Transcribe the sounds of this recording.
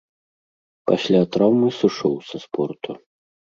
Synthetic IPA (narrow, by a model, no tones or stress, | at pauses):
pasʲlʲat̪ɾawmɨsɨʂɔwsɐspʰɔrt̪u